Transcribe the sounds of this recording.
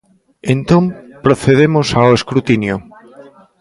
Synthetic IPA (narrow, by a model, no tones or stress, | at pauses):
ent̪õmpɾoθeðemosaoeskɾut̪injo